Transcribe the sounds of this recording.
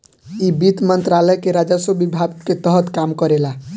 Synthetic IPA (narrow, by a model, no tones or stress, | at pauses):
ibit̪mənt̪ɾaləjkeɾad͡ʒasəbibʱaɡket̪əɦət̪kamkəɾela